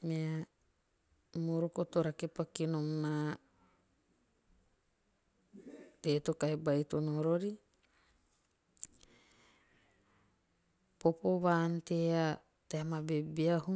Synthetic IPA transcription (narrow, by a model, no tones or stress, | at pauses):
mea | moɾokotoɾakepakinomna | tetokajbajtonoɾoɾi | popoβaːntea | teamabebiahu